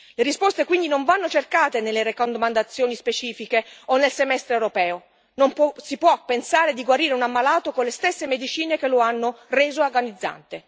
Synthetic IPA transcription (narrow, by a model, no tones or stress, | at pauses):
leɾispost̪ekwind̪inoɱvanːot͡ʃerkaːt̪enelːeɾekond̪omand̪at̪sːjoːnispet͡ʃiːfikeonːelsemɛst̪ɾeewɾopɛːo | nompɔsipwɔpːensaːɾed̪iɡwaɾiːɾeunamːalaːt̪okonlest̪esːemed̪it͡ʃiːnekeloanːoreːzoorɡanid̪zːa̰nt̪e